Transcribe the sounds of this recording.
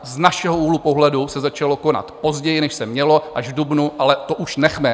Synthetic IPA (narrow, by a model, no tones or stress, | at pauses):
znaʃɛɦouːlupo̞ɦlɛdusɛzat͡ʃalo̞ko̞na̰t̪po̞zɟɛjɪnɛʃsɛmɲɛlo̞ʔaʒvdubnuʔalɛt̪oʔuʃnɛxmɛ